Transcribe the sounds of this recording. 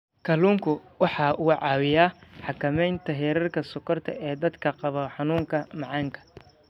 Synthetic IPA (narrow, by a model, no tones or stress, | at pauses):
kʰɐluːŋkʰʊwɑħɑːʔʊːʕɑːwɪjaːħɑkʰɐmɛjnt̪ʰɐɦɛːɾɐrkʰɐsʊkʰɐrt̪ʰɐ̰ʔɛːd̪ɐd̪kʰɐqɑβɔħɑnuːŋkʰɐmɑʕɑːŋkʰɐ̥